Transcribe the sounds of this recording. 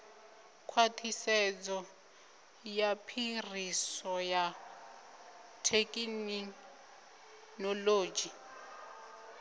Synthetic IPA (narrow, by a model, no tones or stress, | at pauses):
kʰwatʰisɛd͡zɔ | japʰirisɔja | tʰekʼin | nɔloːd͡ʒi